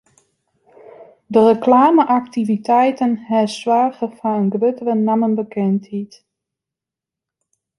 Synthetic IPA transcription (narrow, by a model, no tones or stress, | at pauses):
dərəklaːməʔɑktivitɛjtənɦɛɹswaːχəfanənɡrɵtərənamənbəkɛnthit